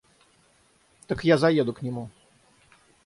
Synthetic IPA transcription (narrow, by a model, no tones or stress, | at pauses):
t̪akjazajɛd̪ukɲɛmu